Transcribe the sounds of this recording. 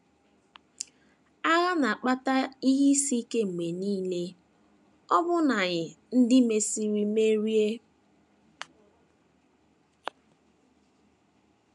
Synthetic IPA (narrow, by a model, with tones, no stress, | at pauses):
a˦ɣa˦na˨a˨k͡pa˦ta˦i˦ɦi˦si˦ke˦ŋ͡m̩˨me˨niː˦le˦ | ɔ˦bʊ˦na˨ɣɪ˨ | n̩˦dɪ˦me˦si˦ɾi˦me˦ɾi˦e˦